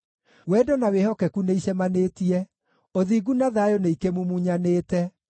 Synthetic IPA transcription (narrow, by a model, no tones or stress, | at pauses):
wɛdɔnawehɔkɛkuneiɕɛmanetiɛ | oðiːɡunaðajoneikemumuɲaneːtɛ